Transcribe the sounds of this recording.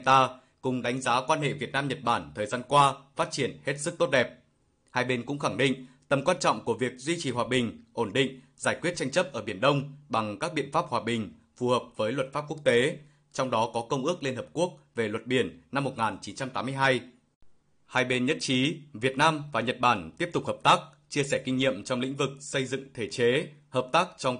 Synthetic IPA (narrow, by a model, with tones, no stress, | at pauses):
t̪aː˧ | kʊ˨˩ŋ͡mɗa˨˦jŋ̟zaː˨˦kwaː˧nhḛ˧˨vi˨˩ət̚naː˧mɲə˨˩t̚ɓaː˧˩nt̪ʰəː˨˩jzaː˧nkwaː˧faː˦˥t̚t͡ɕi˧˩ənhe˦˥t̚sɨ˦˥k̚t̪o˦˥t̚ɗɛ˨˩p̚ | haː˧jɓe˧nkʊ̰˧˥ŋ͡mxa˧˩ŋɗḭ̈˧˨ŋ̟t̪ə˨˩mkwaː˧nt͡ɕɔ̰˧˨ŋ͡mku˧˩əvi˨˩ək̚zwi˧t͡ɕi˨˩ɦwaː˨˩ɓï˨˩ŋ̟ʔo˧˩nɗḭ̈˧˨ŋ̟ | zaː˧˩jkwi˦˥ət̚t͡ɕa˧jŋ̟t͡ɕə˦˥p̚ʔəː˧˩ɓi˧˩ənɗə˧wŋ͡mɓa˨˩ŋkaː˦˥k̚ɓḭ˧˨ənfaː˦˥p̚hwaː˨˩ɓï˨˩ŋ̟ | fu˨˩həː˨˩p̚vəː˨˦jlwə˨˩t̚faː˦˥p̚ku˦˥ək̚t̪e˨˦ | t͡ɕɔ˧wŋ͡mɗɔ˨˦kɔ˨˦kə˧wŋ͡mʔɨ˦˥ək̚li˧ənhəː˨˩p̚ku˦˥ək̚ve˨˩lwə˨˩t̚ɓi˧˩ənːa˧mːo˨˩t̚ŋaː˨˩nt͡ɕi˨˦nt͡ɕa˧mt̪aː˨˦mɨ˧əjɦaː˧j | haː˧jɓe˧nɲə̰˧˥nt͡ɕi˨˦vi˨˩ət̚naː˧mvaː˨˩ɲə˨˩t̚ɓaː˧˩nt̪i˦˥əpt̪ʊ˨˩k͡p̚həː˨˩p̚t̪aː˦˥k̚ | t͡ɕi˧əsɛː˧˩kï˧ŋ̟ɲḭ˧˨əmt͡ɕɔ˧wŋ͡mlḭ̈˧˥ŋ̟vɨ˨˩k̚sə˧jzɨ̰˧˨ŋt̪ʰe˧˩t͡ɕe˨˦həː˨˩p̚t̪aː˦˥k̚t͡ɕɔ˧wŋ͡m